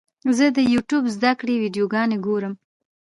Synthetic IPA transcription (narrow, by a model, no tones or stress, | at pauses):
zəd̪əjuʈjubzd̪akɽewiɖjoɡɑneɡoɾəm